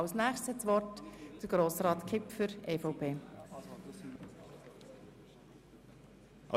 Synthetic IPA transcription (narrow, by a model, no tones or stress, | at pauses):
ɑʊsnæːχstshɛtsʋɔrtd̥əɾɡ̥ɾoːsɾɑːt̪kʰɪpfʏɾeːfɔʊpʰeː